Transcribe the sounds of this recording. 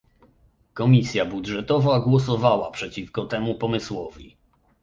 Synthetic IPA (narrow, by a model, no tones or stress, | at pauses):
kɔmʲisʲjabudʐɛt̪ɔvaɡwɔsɔvawapʂɛt͡ɕifkɔt̪ɛmupɔmɘswɔvʲḭ